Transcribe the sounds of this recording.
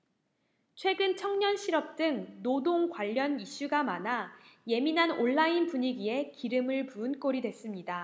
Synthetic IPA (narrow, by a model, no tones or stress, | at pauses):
t͡ɕʰwe̞ɡɯnt͡ɕʰʌŋɲʌnɕʰiɾʌp̚t͈ɯŋnodoŋkwaʎːʌniɕ͈uɡamanaje̞minɦanoɭːainpuɲiɡie̞kiɾɯmɯɭpuɯnk͈oɾidwe̞s͈ɯmɲida